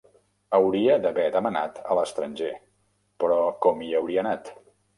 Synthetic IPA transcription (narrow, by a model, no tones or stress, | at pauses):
əwɾiəðəβɛðəməna̰t̪ələst̪ɾənʲʒe | pɾɔkɔmiəwɾiənat̪